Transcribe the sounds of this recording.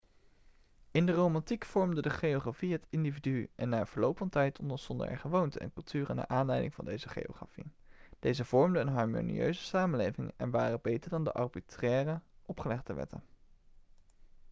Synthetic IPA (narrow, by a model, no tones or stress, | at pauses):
ɪndərowmɑntikfɔɹmdədəχejoχrafiɦətɪndividyʔɛnːaːvəɹlowpfɑntɛjtɔndəsɔndə̰ɛ̰χəʋowntəʔɛ̰nkɵlˠtʰyːrəna̰ːʔaːnlɛjdɪŋvɑ̰ndejzəχḛjo̰χra̰fḭ | d̥ejzəv̥ɔɹmdəənɦɑɹmo̰nḭø̰ɥzəsaːmənlejvɪŋɛ̰nʋaːrəbejtəɹdɑndə̰ʔɑ̰rbitrɛːrəʔɔpχəlɛχdəʋɛ̰tə̰n